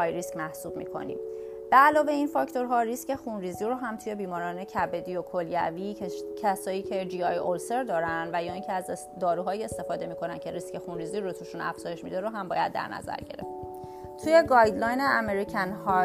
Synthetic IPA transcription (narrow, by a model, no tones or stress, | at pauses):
jɾiscmæhsuːbmḭkʰo̞̰nḭm | b̥eælɒːve̞iːnfɒːcʰt̪ʰo̞ɾɦɒːɾisce̞xunriːziɾoɦæmt̪ʰuːje̞biːmɒːɾɒːne̞cʰæbe̞d̪iokʰo̞ljæ̰vicʰæsɒːjiːcʰe̞d͡ʒiːɒjolse̞ɾd̪ɒːɾænd̪væjɒːincʰeæz | d̪ɒːɾuːɦɒːiest̪e̞fɒːd̪e̞miːkʰo̞næncʰe̞ɾiscʰe̞xunɾiːziːɾot̪ʰuːʃunæ̰fz̥ɒːje̞ʃmid̪eɾoɦæmbɒːjæd̪ːæ̰ɾnæ̰zæ̰ɾɟe̞̰ɾe̞̰ft̪ | t̪ʰuːje̞ɡɒjd̪lɒːjneʔæmeɾicʰænhɒ